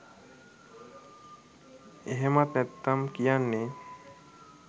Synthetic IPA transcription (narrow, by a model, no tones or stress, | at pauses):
eɦemat̪nɛt̪ːamkijanːe